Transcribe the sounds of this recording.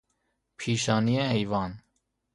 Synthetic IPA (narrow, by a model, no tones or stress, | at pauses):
pʰiʃɑniɛɦɛjvɑn